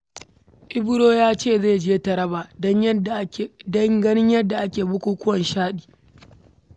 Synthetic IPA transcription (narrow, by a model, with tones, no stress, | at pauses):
ʔɪ˦bʊ˦ɽoː˦jaː˦t͡ʃeː˦˨zeː˦˨d͡ʒeː˦tɐ˨ɽɐ˦baː˨dɔ˦ɲ˦ | dɐ˦ŋɡɐ˦nɪ˦ɲjɐ˦dːa˨ʔa˦kʲeː˨bʊ˦kʷuː˦kʷʊ˦wɐ˨nʃaː˦ɗiː˨